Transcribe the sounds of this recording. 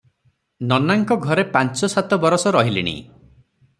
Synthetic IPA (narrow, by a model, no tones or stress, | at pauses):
nɔnaŋkɔɡʱɔɾepant͡ʃɔsat̪ɔbɔɾɔsɔɾɔɦilḭɽ̃ḭ